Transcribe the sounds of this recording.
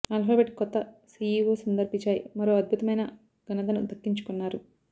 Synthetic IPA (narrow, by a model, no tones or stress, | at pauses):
ɐlfaːʋeʈkɔt̪ːɐsiːjiːʋoːsɐnd̪ɐɾpiɲt͡ʃːaːjḭmɐɾoːɐd̪̚bʱut̪ɐmɐjnɐ | ɡɐnɐt̪ɐnud̪ʱɐkːiɲt͡ʃu̥kunːaːɾu